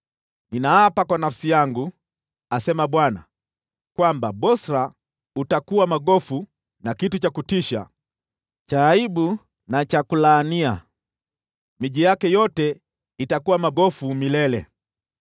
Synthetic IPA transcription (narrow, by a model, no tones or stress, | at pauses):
ninaapakwanafsijaŋɡu | asɛmaɓwana̰ | kwambaɓɔsɾa | utakuwamaɡɔfu | nakitut͡ʃakutiʃa̰ | t͡ʃaːiɓu | nat͡ʃakulaːnia | miʄijakɛjɔtɛ | itakuwamaɡɔfumilɛlɛ